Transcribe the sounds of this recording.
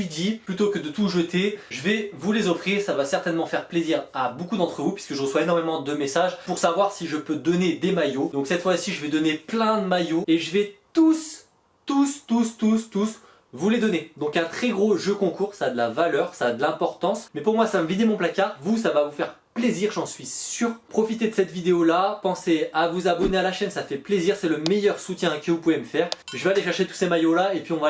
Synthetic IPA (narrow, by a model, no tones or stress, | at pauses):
id̪iplyt̪okəd̪ət̪uʒət̪eʒəvɛvulezɔfχiʁsavasɛʁt̪ɛnmɑ̃fɛʁpleziʁabokud̪ɑ̃t̪χəvupɥiskəʒəʁəswaenɔʁmemɑ̃d̪əmesaʒpuʁsavwaʁsiʒəpød̪ɔned̪emajod̪ɔ̃ksɛt̪fwasiʒəvɛd̪ɔneplɛ̃d̪əmajoeʒəvɛt̪us | t̪ust̪ust̪ust̪us | vuled̪ɔned̪ɔ̃kɛ̃t̪χɛɡʁoʒøkɔ̃kuːʁsaːd̪əlavalœʁsaːd̪əlɛ̃pɔʁt̪ɑ̃smɛpuʁmwasaməvid̪emɔ̃plakʲaʁvusavavufɛʁ | pleziʁʒɑ̃sɥisyːʁpχɔfit̪ed̪əsɛt̪vid̪eolapɑ̃seavuzabɔnealaʃɛnsafɛpleziʁsɛləmejœʁsut̪jɛ̃kəvupuveməfɛʁʒəvealeʃɛʁʃet̪u̥semajolaepɥiɔ̃va